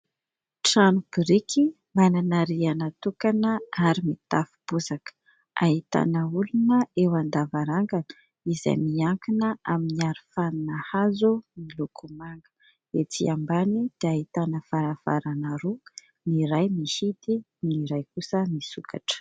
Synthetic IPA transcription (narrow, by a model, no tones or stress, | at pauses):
ʈ͡ʂanɡɾiki | mananaɾianat̪ukanəaɾimit̪afu̥b̥uzakə̥ | a̰ɦit̪a̰nəulunəewand̪avaɾaŋɡanə̥ | iza̰jmiaŋkinəaminiaɾifaninəhazumilokʰumaŋɡə̥ | et͡siambanid̪̥eahit̪anəfaɾava̰ɾanaɾu | niɾajmihid̪i | niɾajkusəmisuka̰ʈ͡ʂə̥